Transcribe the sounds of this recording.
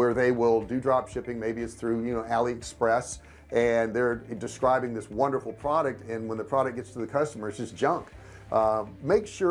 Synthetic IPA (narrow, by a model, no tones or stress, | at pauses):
wə˞ðeɪwɪlˠdɨdɹɑpʃɪpɪ̃ŋmeɪbiɨtsθɹʉjɨnoʊʔælˠiɨkspɹɛs | ɨ̃nðə˞dɨskɹaɪbɪ̃ŋðɪswʌ̃ndə˞fl̩ˠpʰɹ̥ɑɾɨk̚tɨ̃nwə̃nðɨpʰɹ̥ɑɾɨk̚ɡ̥ɛtstʰɨðɨkʰʌstəmə˞zɨz̥ʒ̥ʌ̃ŋk | meɪkʃʊ